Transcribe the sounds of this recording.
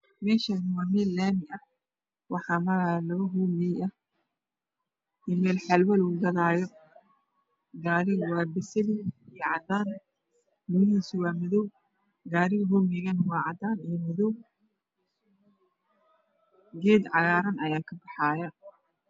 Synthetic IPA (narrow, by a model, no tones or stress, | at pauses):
mɛːʃanɪwaːmɛːlːaːmɪʔɐ | wɑħɑːmɐɾalɔɦuːmɪɐ | imɛːlħɐlwɐluːɡɐðaːjɔ | ɡaːɾɪwɑːbɪsɐlijʕɑd̪aːn | mʊmiːsɪwaːmɐðɔw | ɡaːɾɪɦuːmɪɣɐnwɑːʕɑd̪aːnijmɔðɔw | ɡɛːd̪ʕɑɣaːɾɐnɐjaːkʰɐbɑħɑːjɐ